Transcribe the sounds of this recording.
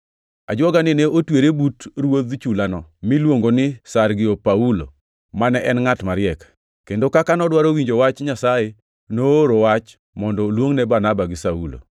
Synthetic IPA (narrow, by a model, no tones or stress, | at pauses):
ad͡ʒwɔɡanɪneotweɾebutɾwod̪t͡ʃulanɔmɪlwoŋɡonɪsarɡɪopaulo̰ | manɛʔɛnŋatmaɾɪɛk | kendokakanɔdwaɾowiɲd͡ʒowat͡ʃɲasaje | nooɾowat͡ʃ | mɔndɔlwoŋnɛbanabaɡɪsaṵlo̰